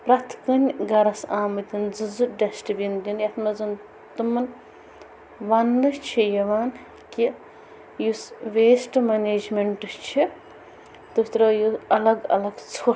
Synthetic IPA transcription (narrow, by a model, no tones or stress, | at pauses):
pɾɐt̪ʰkɨnʲɡɐɾɐsaːmɨt̪ʲind͡zɨzɨɖɐsʈibʲind̪ʲinjɐt̪ʰmɐzɨn | t̪umɐn | ʋɐnːɨst͡ʃʰijɐʋaːn | ki | jusʋeːsʈmɐneːd͡ʒmeɳʈɨt͡ʃʰi | t̪ɨt̪ɾɐjuɐlɐɡɐ̰lɐɡt͡sʰo